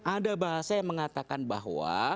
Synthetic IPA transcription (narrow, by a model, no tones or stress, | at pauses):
ʔadabaɦasajaŋməŋat̪akanba̰ɦwa̰